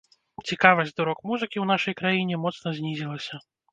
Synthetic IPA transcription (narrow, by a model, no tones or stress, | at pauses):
t͡sʲikavɐzʲd̪uɾɔkmuzɨkʲiwnaʂɐjkɾajinʲɛmɔt̪snɐzʲnʲizʲilˠɐsʲɐ